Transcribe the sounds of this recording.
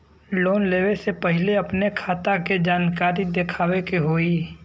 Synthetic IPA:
loːnleːʋesepəɦɪleɐpnekʰaːt̪aked͡ʒaːnkaːɾid̪ekʰaːwekeɦoːiː

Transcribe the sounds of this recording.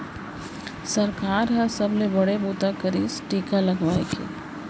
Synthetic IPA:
sɐɾkaːɾɦɐɾsɐblebɐɽebuːt̪akəɾisʈiːkalɐɡʋaːḛkḛː

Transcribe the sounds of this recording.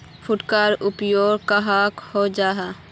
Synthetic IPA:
fʰʊʈkaːɾʊpjoːɾkaɦakhod͡ʒaːɦa

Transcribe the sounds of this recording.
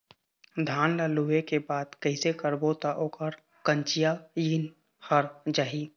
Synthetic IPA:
d̪ʱaːnləluekebaːd̪kəɪsekəɾbot̪aʔoːkəɾ | kə̃nt͡ʃijajin | həɾd͡ʒaːɦi

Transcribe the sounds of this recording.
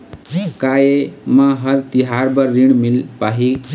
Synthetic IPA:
kajemaɦəɾt̪iɦaɾbəɾːiɳmilpaɦi

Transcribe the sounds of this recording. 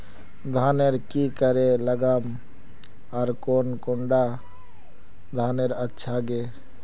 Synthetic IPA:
d̪ʱaːneɾkikəɾeləɡam | ɔɾkonkʊɳɖa | d̪ʱaːneɾətːʃʰaɡe

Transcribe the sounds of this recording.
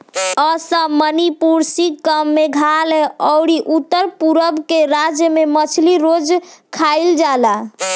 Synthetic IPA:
ɔsəmənipuɾsikəmːeɡʱaleɔwɽiʔut̪ːəɾpuɾəbkeɾad͡ʒjəmemət͡ʃʰliɾod͡ʒkʰajld͡ʒala

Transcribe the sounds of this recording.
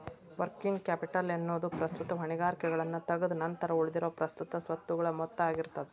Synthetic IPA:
ʋɐɾkiŋɡkaːpiʈɐlenːoːd̪upɾɐst̪ut̪ɐɦɐɳiɡaːɾikɛɡɐɭɐnːut̪ɐɡɐd̪unɐnt̪ɐɾɐuɭd̪iɾoːpɾɐst̪ut̪ɐsʋɐt̪ːuɡɐɭɐmɔt̪ːaːɡiɾt̪ːɐd̪ɛ

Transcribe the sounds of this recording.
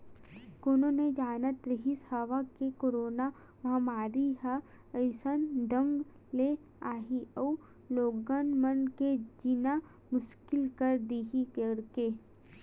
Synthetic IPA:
koːnõned͡ʒaːnət̪ɾɐɦisaːʋakekoːɾoːna | ʋɐɦmaːɾiɦə | əɪsənɖ̪ə̃ŋɡ | le | aːɦiəu | loːɡənmənked͡ʒina | mʊʃkɪlkəɾd̪iːɦikəɾke

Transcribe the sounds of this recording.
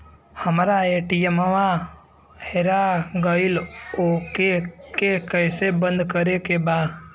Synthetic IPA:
həmɾaeʈijeməʋa | heɾaɡəilokekekəjsebə̃nd̪kəɾekebaː

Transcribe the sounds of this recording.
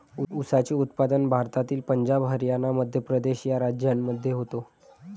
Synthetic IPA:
uusat͡ɕeut̪pad̪ənbʱaɾt̪at̪iːlpəɲd͡ʑabɦəɾjanaməd̪ʱjəpɾəd̪eɕjaɾad͡ʑjamːəd̪ʱːjeɦot̪o

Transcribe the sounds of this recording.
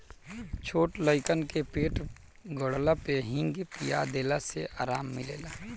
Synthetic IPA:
t͡ʃʰoːʈləɪkənkepeːʈ | ɡəɽlapeɦɪ̃ŋɡpijad̪eːlaseʔaːɾaːmːɪlḛːlaː

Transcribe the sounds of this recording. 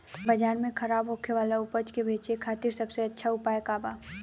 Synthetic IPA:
bɐd͡ʒaːnmẽkʰɐɾaːbɦokʰeʋaːlaʊpət͡ʃkebʱeːt͡ʃekʰaːt̪ɪɾsɐbseɐtːʃʰaʊpaːekaːbaː

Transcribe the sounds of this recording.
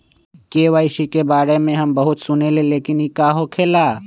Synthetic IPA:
keːʋaːɪʃikebaːɾemẽɦɐmbɐɦʊt̪sʊneleleːkɪnikaɦokʰeːlaː

